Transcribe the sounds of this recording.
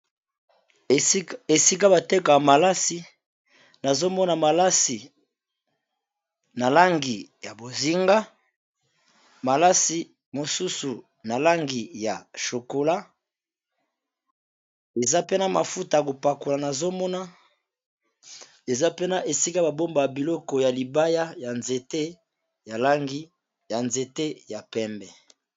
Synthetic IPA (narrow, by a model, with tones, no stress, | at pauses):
e˨si˦k̬a˦ba˨tɛ˦ka˨ja˨ma˨la˦si˨ | na˨zo˦mɔ˦na˨ma˨la˦si˨ | na˨la˦ŋɡi˨ja˨bo˨zi˨ŋɡa˦ | ma˨la˦si˨ | mo˨su˦su˨ | na˨la˦ŋɡi˨ja̰˨ʃo˨ko˨la˦ | e˨za˦pe˦na˦ma˨fu˦ta˨ko˨pa˨ko˨la˨na˨zo˦mɔ˦na˦ | e˨za˦pe˦na˦ʔe˨si˦ka˦ba˨bo˦mba˨jbi˨lɔ˦kɔ˨ja˨li˨ba˦ja˦ja˨nze˨te˦ | ja˨la˦ŋɡi˦ | ja˨nze˨te˦ja˨pɛ˦mbɛ˨